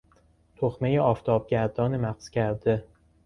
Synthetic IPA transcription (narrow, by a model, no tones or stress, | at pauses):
t̪ʰoxme̞jeɒːft̪ʰɒːb̥̚ɟʲæɾd̪ɒːnemæqz̥cʰæɾd̪e